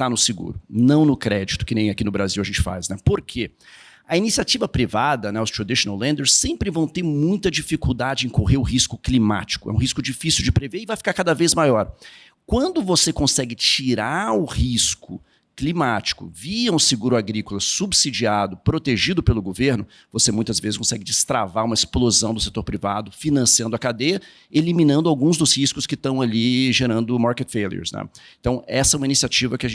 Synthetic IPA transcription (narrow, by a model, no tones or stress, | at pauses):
t̪anʊsɪɡṵɾʊnɐ̃w̃nʊkɾɛd͡ʒit̪ʊ̥kɪnẽj̃akinʊbɾaziwɐʒẽt͡ʃɪ̥fa̰znɛpoɾkʰe | ɐinisiat͡ʃivɐpɾivad̪ɐnɛʊst̪ɾad̪iʃonawlẽnd̪eɾsːẽmpɾɪvɐ̃w̃t̪eɾmũj̃t̪ɐd͡ʒifikuwd̪ad͡ʒɪẽj̃koɦeɾʊɦiskʊklima̰t͡ʃi̥kʊɛ̰ũɦiskʊd͡ʒifisiwd͡ʒɪpɾeveɪvajfi̥kaɾkad̪ɐvezmajɔɾ | kwɐ̃nd̪ʊvosekõsɛɡɪt͡ʃiɾaʊhiskʊ̰ | klimat͡ʃi̥kʊ̰viɐũsɪɡuɾʊaɡɾikʊlɐsubsid͡ʒiad̪ʊpɾot̪eʒid̪ʊpelʊɡoveɾnʊ | vosemũj̃t̪ɐzvezɪs̬kõsɛɡɪd͡ʒɪst̪ɾa̰vaɾũmɐɪsplozɐ̃w̃d̪ʊset̪oɾpɾivad̪ʊfinɐ̃siɐ̃nd̪ʊɐkad̪ejɐ | elimĩnɐ̃nd̪ʊawɡũzd̪ʊshiskʊskɪt̪ɐ̃w̃aliʒeɾɐ̃nd̪ʊmaɾket̪feliḛɾsnɛ̰ẽt̪ɐ̃w̃ɛsɐɛũmɐinisiat͡ʃivɐkɪaʒẽ